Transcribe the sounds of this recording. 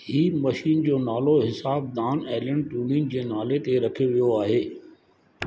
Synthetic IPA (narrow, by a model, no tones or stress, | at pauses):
hiːmɐʃiːnd͡ʑoːnaːloɦɪsaːb̚d̪aːnɛːləɳɖʈũːlind͡ʑeːnaːlet̪eɾɐkʰijoʋijoaːɦeː